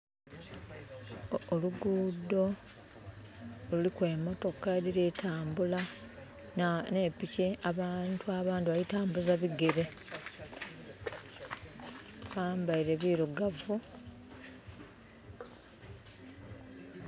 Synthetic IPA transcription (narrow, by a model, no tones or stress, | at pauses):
oluɡuːdːo̞ | lulikwe̞ːmo̞to̞kːadiɾetʰaːmbula | nepiceaβantʰuaβaːndiβaitaːmbuzaβiɡeɾe̞ | βaːmbaiɾe̞βiɾuɡavu